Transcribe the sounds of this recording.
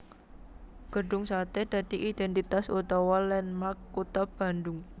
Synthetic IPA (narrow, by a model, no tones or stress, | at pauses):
ɡ̥əɖʊŋsat̪ed̪̥a̤d̪̥i̤ʔid̪̥ɛnt̪it̪asut̪ɔwɔlɛnmakːut̪ɔb̥a̤ndʊŋ